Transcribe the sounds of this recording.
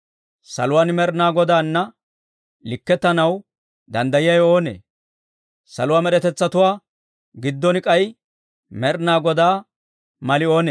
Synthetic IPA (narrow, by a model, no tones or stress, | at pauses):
sɐ̰lʊwaːnmɛɾnaːɡɔd̪aːnːɐ | lɪkːɛt̪ːɐnɐw | d̪ɐnd̪ɐjɪjɐjo̞ːnḛː | sɐ̰lʊwaːmɛɗɛt̪ɛt͡sːɐt̪ʊwaː | ɡɪd̪ːɔnɪkʼɐj | mɛɾnaːɡɔd̪aː | mɐlɪo̞ːneː